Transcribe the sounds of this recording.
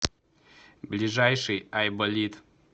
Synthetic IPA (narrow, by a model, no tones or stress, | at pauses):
blʲɪʐajʂɨjajbɔlʲit̪